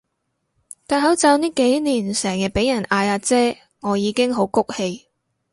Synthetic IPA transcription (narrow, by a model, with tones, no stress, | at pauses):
t̪aː˨˩nɦɐ˨˥wt͡sɐ˨˧wniː˥ke˨˥jniː˨˩nsɛː˨˩ŋjɐ˧t̚pe˨˥jɐ˨˩naː˧jaː˧t͡sɛː˥ | ŋɔː˨˧jiː˨˧kɪ˥ŋɦo˨˧˥wkʊ˥k̚he˧j